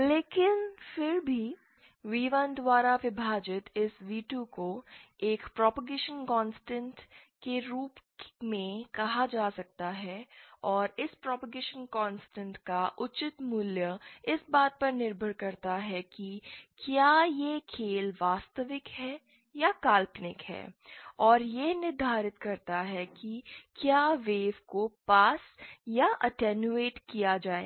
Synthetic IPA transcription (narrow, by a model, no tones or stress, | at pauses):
leːkɪnfɪɾbʱi | ʋiːʋə̃nd̪waːɾaʋɪbʱaːd͡ʒɪt̪ɪsʋiːʈjuko | eːkpɾɔːpəɡeːʃənkɔ̃ːnsʈə̃ɳʈkeɾuːpmẽkɐɦad͡ʒaːsɐk̚t̪aɦɛɔːɾɪspɾɔːpəɡeːʃənkɔːnsʈə̃ɳʈkaʔʊt͡ʃɪt̪muljəɪsbaːt̪̚pɐɾnɪɾbʱəɾkɐɾt̪aɦɛkikjaːjekʰeːlʋaːst̪əʋɪkɦɛː | jakaːlpnɪkɦɛ̰ːɔːɾjenɪɾd̪ʱaːɾɪt̪kɐɾt̪aɦɛkikjaːʋeːʋkopaːsjaʔɐʈɛːnjueːʈkijad͡ʒaːḛː